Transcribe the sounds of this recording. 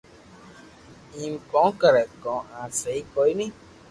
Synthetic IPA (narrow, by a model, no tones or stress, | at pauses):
ĩm̩kɔ̃kɛɾɛkɔ̃ãseikɔinĩ